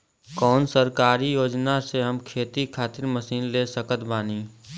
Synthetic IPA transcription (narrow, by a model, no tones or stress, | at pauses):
kɔːnsəɾkaːɾijoːd͡ʒnaseɦɐmkʰeːt̪ikʰaːt̪ɪɾməsiːnleːsəkət̪baːniː